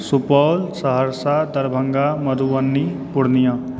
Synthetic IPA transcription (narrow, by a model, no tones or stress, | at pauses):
supʌlsʌɦʌɾsad̪ʌɾbʱʌŋɡamʌd̪ʱuwʌnːipuɽnijʌ̃